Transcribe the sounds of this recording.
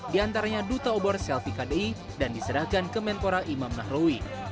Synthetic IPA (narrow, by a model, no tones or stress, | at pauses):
diant̪aɾaɲadut̪aobɔrsɛlfikadei | dandisəɾahkankəmɛnt̪oɾaʔimamnahɾowi